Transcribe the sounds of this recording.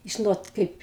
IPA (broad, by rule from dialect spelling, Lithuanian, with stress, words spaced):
ˈʒʲɪnoːt ˈkɐɪp